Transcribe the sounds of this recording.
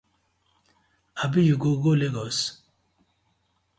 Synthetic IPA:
abijuɡoɡoleɡɔs

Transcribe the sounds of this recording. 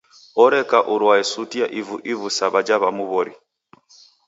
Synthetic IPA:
ɔɾɛkaʔuɾwaɛsutiaʔivuʔivusaβad͡ʒaβamuβɔɾi

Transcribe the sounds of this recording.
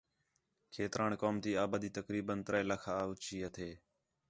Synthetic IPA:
kʰeːt̪ɾʔaːnkoːmt̪iːaːbaːd̪iːt̪əkɾiːbənt̪ɾəeːləkʰaːʊt͡ʃiːɦət̪ʰeː

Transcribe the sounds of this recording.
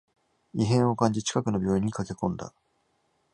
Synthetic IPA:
iɦẽ̞ɰ̃o̞kãɲ̟d͡ʑit͡ɕi̥kakɯ̟no̞bʲjo̞ːiɲ̟ːikake̞kõ̞nd̪a̰

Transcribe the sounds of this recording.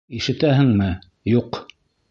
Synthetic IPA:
iʃɘ̆t̪æɦɘ̆ŋmɘ | juq

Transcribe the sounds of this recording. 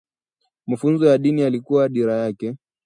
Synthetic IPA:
mafunzɔjaɗinialikuwaɗiɾajakɛ

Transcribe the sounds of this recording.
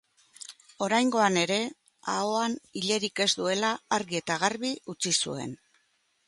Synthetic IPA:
o̞ɾajŋɡo̞ane̞ɾe̞ | aoaniʎe̞ɾike̞zd̪ue̞laːɾɣie̞t̪aɣ̞arβiut͡sisṵe̞̰n

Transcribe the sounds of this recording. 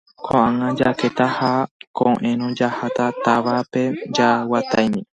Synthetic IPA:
kʰõʔãŋãd͡ʒaket̪ahakʰõʔẽɾ̃õd͡ʒahat̪at̪aʋape̞d͡ʒawat̪ajmĩ

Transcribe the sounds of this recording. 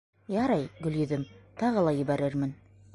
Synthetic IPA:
jɑɾɑjɡɵ̆ljɵ̆ðɘmt̪ɑʁɤlˠɑjɘ̆bæɾɘɾmɘn

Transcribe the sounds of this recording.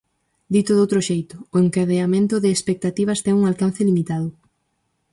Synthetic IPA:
d̪it̪ʊðowt̪ɾoʃejt̪ʊʊeŋkaðeamẽnt̪ʊðɪːspek̚t̪at̪iβ̞ɐst̪ɛŋuŋalkan̟θɪlimit̪aðʊ

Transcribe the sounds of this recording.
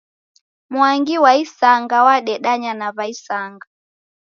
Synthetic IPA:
mwaŋɡiwaisaŋɡawaɗɛɗaɲanaβaisaŋɡa

